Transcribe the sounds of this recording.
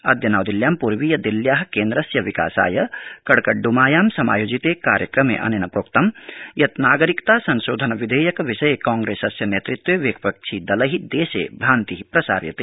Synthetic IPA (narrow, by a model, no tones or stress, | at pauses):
ɐd̪jɐnaːwd̪iljaːmpuɾʋijɐd̪iljaːɦkẽːnd̪ɾɐsjɐʋika̰ːsa̰ːjɐkɐɽkɐɖumaːjaːmsɐma̰ːjoːd͡ʒit̪eka̰ːɾjɐkɾɐmḛʔɐ̰nenɐpɾoːkt̪ɐmjɐt̪naːɡəɾikt̪aːsɐnʃoːd̪ʱɐnʋid̪ʱeːjɐkʋiʃɐjekãːŋɡɾeːsɐsjɐneːt̪ɾit̪weʋeːkpɐk̚t͡ʃʰid̪ɐlɐɦid̪eːsḛːbʱaːnt̪iɦipɾɐsa̰ːɾjɐ̰t̪eː